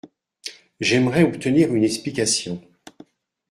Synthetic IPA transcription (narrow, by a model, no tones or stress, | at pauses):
ʒɛmʁɛɔpt̪əniʁynɛksplikasjɔ̃